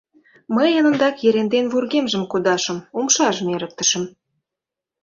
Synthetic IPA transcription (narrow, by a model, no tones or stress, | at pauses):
məjɑnə̆nd̪ɑkjeɾend̪envurɣemʒə̆mkud̪ɑʃə̆mumʃɑʒəmeɾə̆k̚t̪ə̥̆ʃə̆m